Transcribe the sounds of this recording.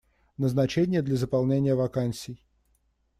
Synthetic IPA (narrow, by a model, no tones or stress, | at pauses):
nəznɐt͡ɕenʲɪjəd̪lʲɐzəpɐlˠnʲenʲɪjəvɐkanʲsʲɪj